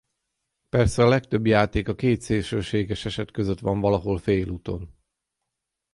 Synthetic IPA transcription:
pɛrsɛɒlɛkt̪ø̞bjaːt̪eːkɒkeːt̪seːlʃøːʃeːɡɛʃɛʃɛt̪køzøt̪ʋɒɱvɒlɒɦo̞lfeːluːt̪o̞̰n

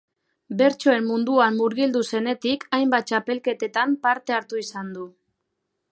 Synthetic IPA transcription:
be̞ɾt͡ʃo̞e̞mmund̪uanːuɾɣild̪use̞ne̞t̪ikʰajmbat̪̚t͡ʃape̞lke̞t̪e̞t̪ampaɾt̪e̞aɾt̪uisand̪u

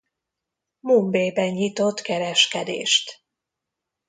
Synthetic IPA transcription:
mumbeːbɛɲɲit̪o̞t̪kɛɾɛʃkɛd̪ḛːʃt̪

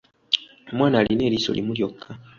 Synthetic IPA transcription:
omwaːnaːlʔine̞ːɾiːso̞̰limuljo̞kʰːa

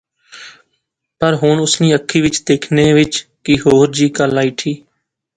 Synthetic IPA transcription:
pəɾɦʊɳʊsniːəkʰːiːʋɪt͡ʃd̪eːkʰneːʋɪt͡ʃkɪɦoːɾd͡ʒiːkəlːaːiʈʰiː

